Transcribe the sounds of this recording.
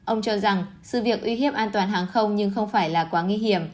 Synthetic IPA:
ʔə˧wŋ͡mt͡ɕɔ˧za˨˩ŋsɨ̰˧˨vi˨˩ək̚ʔwi˨˦ɦi˧˥əmʔaː˧nt̪waː˨˩nɦaː˨˩ŋxə˧wŋ͡mɲɨ˧ŋxə˧wŋ͡mfaː˧˩jlaː˨˩kwaː˨˦ŋi˧ɦi˧˩əm

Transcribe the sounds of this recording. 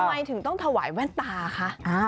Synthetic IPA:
ma˧jt̪ʰɯ˨˩˦t̪ɔ˥˩ŋt̪ʰa˧wa̰ː˩˦jwɛː˥˩nt̪aː˧˨˧kʰa˦˥ʔʔaː˧˩

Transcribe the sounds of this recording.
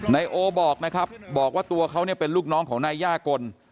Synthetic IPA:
na˧jʔoː˧bɔː˨˩k̚na˦˥kʰa˦˥p̚bɔː˨˩k̚waː˥˩t̪u˧ɐkʰa˦˥wni˥˩ɐpe˧nluː˥˩k̚nɔː˦˥ŋkʰɔː˩˦ŋnaː˧jːaː˥˩ko˧n

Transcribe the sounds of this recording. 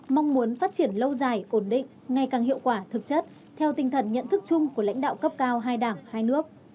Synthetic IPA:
ma˧wŋ͡mmu˨˦ənfaː˦˥t̚t͡ɕi˧˩ənlə˧wzaː˨˩jʔo˧˩nɗḭ̈˧˨ŋ̟ | ŋa˨˩jkaː˨˩ŋɦḭ˧˨əwkwaː˧˩t̪ʰɨ˨˩k̚t͡ɕə˦˥t̚ | t̪ʰɛ˧wt̪ï˨˩ŋ̟t̪ʰə˨˩nɲə̰˧˨nt̪ʰɨ˦˥k̚t͡ɕʊ˧ŋ͡mku˧˩əla̰˧˥jŋ̟ɗa̰ː˧˨wkə˦˥p̚kaː˧wɦaː˧jɗaː˧˩ŋhaː˧jnɨ˦˥ək̚

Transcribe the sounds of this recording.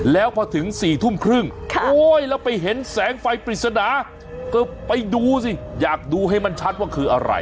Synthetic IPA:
lɛː˦˥wpʰɔː˧t̪ʰɯ˩˦ŋsiː˨˩t̪ʰu˥˩mkʰɾɯ˥˩ŋkʰʔoː˦˥jlɛː˦˥wpa˧jɦe˩˦nsɛː˨˦ŋfa˧jpɾi˨˩t̪̚sa˧naː˩˦ | kɤː˧˩pa˧jduː˧si˧˩jaː˨˩k̚duː˧ɦa˥˩jma˧nt͡ɕʰa˦˥t̪̚waː˥˩kʰɯː˧ʔa̰˧ɾa̰˧j

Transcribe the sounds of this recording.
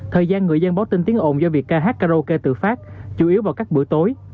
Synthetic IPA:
t̪ʰəː˨˩jzaː˧nŋɨ˨˩əjzə˧nɓaː˨˦wt̪i˧ŋt̪i˨˦əŋʔo˧˨˩nzɔ˧vi˨˩ək̚kːaː˧ɦaː˦˥t̚kaː˧zo˧ke˧t̪ɨ̰˧˨faː˦˥t̚t͡ɕu˨˦ʔi˨˦əwvaː˨˩wkaː˦˥k̚ɓɨ̰˧˥ət̪o˨˦j

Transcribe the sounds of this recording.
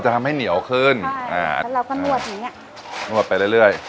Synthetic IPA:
wt͡ɕa˨˩t̪ʰa˧mha˥˩jni˨˩˦əwkʰɯː˧˥˩nʔa̰ː˧˩˧ɾa˧wkɔ˥˩u˥˩ət̪̚ːa˧˩ŋni˦˥ɐ | nu˥˩ət̪̚pa˧jɾɯ˥˩jɾɯ˥˩əj

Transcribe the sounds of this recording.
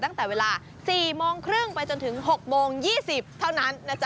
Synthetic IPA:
t̪a˥˩ŋt̪ɛː˨˩weː˧laː˧ | siː˨˩moː˧ŋkʰɾɯ˥˩ŋpa˧jt͡ɕo˧nt̪ʰɯ˩˦ŋɦo˨˩k̚moː˧ŋjiː˥˩si˨˩p̚t̪ʰa˥˩wna˦˥nːa˦˥˩t͡ɕa˩

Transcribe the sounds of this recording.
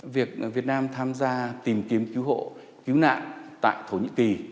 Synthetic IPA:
vi˨˩ək̚vi˨˩ət̚naː˧mt̪ʰaː˧mzaː˧t̪i˨˩mki˨˦əmki˨˦wɦo̰˧˨ | ki˨˦wna̰ː˧˨nt̪a̰ː˧˨jt̪ʰo˧˩ɲḭ˧˨ki˨˩

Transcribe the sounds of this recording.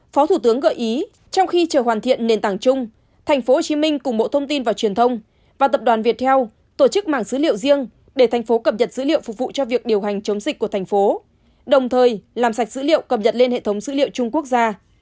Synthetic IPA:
fɔ˨˦t̪ʰu˧˩t̪ɨ˨˦əŋɣə̰ː˧˨ʔi˨˦ | t͡ɕɔ˧wŋ͡mxi˧t͡ɕəː˧˩ɦwaː˨˩nt̪ʰḭ˧˨ənne˧˩nt̪aː˧˩ŋt͡ɕʊ˧ŋ͡m | t̪ʰɛ˨˩jŋ̟fo˨˦ho˨˩t͡ɕi˨˦mï˧ŋ̟kʊ˨˩ŋ͡mɓo̰˧˨t̪ʰə˧wŋ͡mt̪i˧nvaː˨˩wt͡ɕwi˨˩ənt̪ʰə˧wŋ͡m | vaː˨˩t̪ə˨˩p̚ɗwaː˨˩nvi˨˩ət̚t̪ʰɛ˧w | t̪o˧˩t͡ɕɨ˦˥k̚ma̰ː˧˩ŋsɨ̰˧˦lḭ˧˨əwzi˧əŋ | ɗe˧˩t̪ʰɛ˨˩jŋ̟fo˨˦kə˨˩p̚ɲə˨˩t̚zɨ̰˧˥lḭ˧˨ə˨wfʊ˨˩k̚vṵ˧˨t͡ɕɔ˧vi˨˩ək̚ɗi˨˩əwɦa˨˩jŋ̟t͡ɕə˨˦wŋ͡mzi˨˩k̟̚ku˧˩ət̪ʰŋ̟fo˨˦ | ɗə˨˩wŋ͡mt̪ʰəː˨˩jlaː˨˩msa˨˩jk̟̚z̥ɨ̰˧˥lḭ˧˨ə˨wkə˨˩p̚ɲə˨˩t̚le˧nhḛ˧˨t̪ʰwŋ͡mzɨ̰˧˥lḭ˧˨əwt͡ɕʊ˧ŋ͡mku˦˥ək̚zaː˧

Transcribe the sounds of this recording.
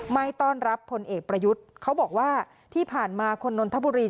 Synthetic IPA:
ma˧jt̪ɔː˥˩nɾa˦˥pʰːo˧nʔeː˨˩k̚pɾa˧ju˦˥t̪̚kʰa˦˥wbɔː˨˩k̚waː˥˩ | t̪ʰiː˥˩pʰaː˨˩nmaː˧kʰo˧nːo˧nt̪ʰa˦˥buː˧ɾiː˧

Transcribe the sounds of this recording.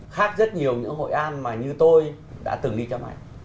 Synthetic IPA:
xaː˦˥k̚zə˦˥t̚ɲi˨˩əwɲɨ̰˧˥ŋɦo̰˧˨jʔaː˧nmaː˨˩ɲɨ˧t̪o˧j | ɗa̰ː˧˥t̪ɨ˨˩ŋɗi˧t͡ɕɔ˧ma̰˨˩˨j

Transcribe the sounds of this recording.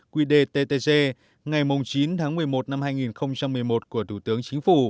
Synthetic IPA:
kwi˧ɗe˧t̪e˧t̪e˧se˧ | ŋa˨˩jmʊ˨˩ŋ͡mt͡ɕi˨˦nt̪ʰaː˨˦ŋmɨ˨˩əjmo˨˩t̚na˧mhaː˧jŋi˨˩nxə˧wŋ͡mt͡ɕa˧mːɨ˨˩əjmo˨˩t̚ku˧˩ət̪ʰu˧˩t̪ɨ˨˦əŋt͡ɕï˨˦ŋ̟fu˧˩

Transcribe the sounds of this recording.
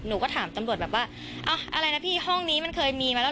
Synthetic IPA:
nuː˨˩˦kɔː˥˩t̪ʰaː˩˦mt̪a˧mɾu˨˩ət̪̚bɛː˨˩p̚waː˥˩ | ʔa˧˩ʔa̰˧ɾa˧jna˦˥pʰiː˥˩hɔ˥˩ŋniː˦˥ma˧nkʰɤː˧jmiː˧maː˧lː

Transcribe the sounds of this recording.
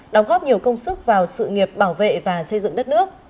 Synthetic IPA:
ɗɔ˨˦wŋ͡mɣɔː˦˥p̚ɲi˨˩əwkə˧wŋ͡msɨ˦˥k̚vaː˨˩wsɨ̰˧˨ŋi˨˩əp̚ɓaː˧˩wvḛ˧˨vaː˨˩sə˧jzɨ̰˧˨ŋɗə˦˥t̚nɨ˦˥ək̚

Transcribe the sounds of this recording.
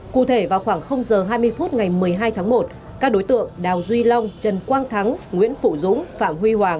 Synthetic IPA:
kṵ˧˨t̪ʰe˧˩vaː˨˩wxwaː˧˩ŋxə˧wŋ͡mzəː˨˩ɦaː˧jmɨ˧əjfu˦˥t̚ŋa˨˩jmɨ˨˩əjɦaː˧jt̪ʰaː˨˦ŋmo˨˩t̚ | kaː˦˥k̚ɗo˨˦jt̪ɨ̰˧˨əŋɗaː˨˩wzwi˧la˧wŋ͡mt͡ɕə˨˩nkwaː˧ŋt̪ʰa˨˦ŋŋwḭ˧˥ənfṵ˧˨zʊ̰˧˥ŋ͡mfaː˧˨mhwi˧hwaː˨˩ŋ

